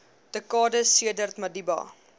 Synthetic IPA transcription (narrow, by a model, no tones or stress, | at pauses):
d̥əkɑːdəsiədərt̪mɐdibɑ̰